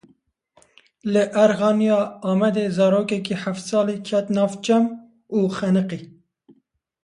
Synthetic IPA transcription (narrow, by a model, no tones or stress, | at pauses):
lɨʔæɾɣɑːnijɑːɑːmɛd̪eːzɑːɾoːkɛkiħɛft̪sɑːliːkʰɛt̪nɑːvt͡ʃɛm | uːxɛnɨqiː